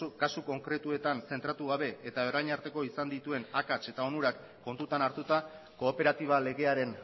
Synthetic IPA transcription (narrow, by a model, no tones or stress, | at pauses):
kasuko̞ŋkɾe̞t̪ue̞t̪anse̞nt̪ɾat̪uɣ̞aβ̞e̞ːt̪aerajɲaɾt̪e̞ko̞isand̪it̪ue̞nakat͡ʃe̞t̪ao̞nuɾakːo̞nt̪ut̪anaɾt̪ut̪a | ko̞ːpe̞ɾat̪iβ̞ale̞ɣe̞aɾe̞n